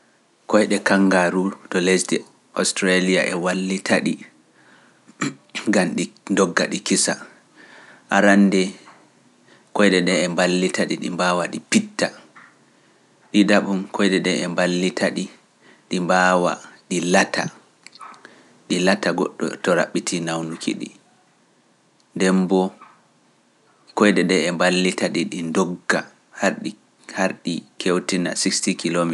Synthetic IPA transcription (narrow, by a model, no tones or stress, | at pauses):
kɔjɗɛkaŋɡaɾutɔlesdɛ | ʔɔ̰stɾalija̰ʔɛwalːitʰaɗi | ɡamɗindɔɡːa̰ɗikisa | ʔaɾanːdɛ | kɔjɗɛɗɛɛmbalːitaɗḭɗḭmbaːwaɗipitːa | ɗidaɓumkʰɔjdɛɗɛɛmbalːitʰaɗi | ɗimbaːwa̰ɗilatʰa̰ | ɗilataɡɔ̰ɗːɔ̰tɔɾa̰ɓːitʰinawnukʰḭɗḭ | ndɛmbɔ | kɔjdɛɗɛɛmbalːitaɗiɗindɔɡːa | haɾɗi | haɾɗikʰewtina̰sikstikilomi